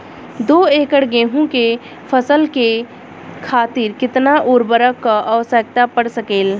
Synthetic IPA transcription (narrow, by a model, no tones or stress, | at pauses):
d̪oːeːkəɽɡẽːɦũke | pʰəsəlke | kʰaːt̪ɪɾkɪt̪naʔʊːɾbəɾəkːaʔəʋsək̚t̪apəɽsəkeːl